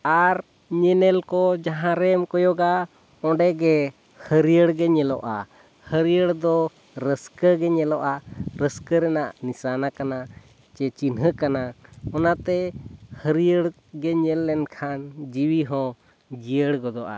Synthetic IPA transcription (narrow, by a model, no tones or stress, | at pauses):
aɾ | ɲɛnɛlkɔd͡ʒaɦãɾɛmkɔjɔɡa | ɔ̃ɖɛɡɛ | həɾijəɽɡɛɲɛlɔʔa̰ | həɾijəɽd̪ɔ | ɾəskəɡɛɲɛlɔʔaɾəskəɾɛnaʔnisanakana | t͡ʃɛt͡ʃinɦəkanaɔnat̪ɛhəɾijəɽ | ɡɛɲɛlːɛnkʰand͡ʒiwiɦɔ̃ | d͡ʒijəɽɡɔd̪ɔʔa̰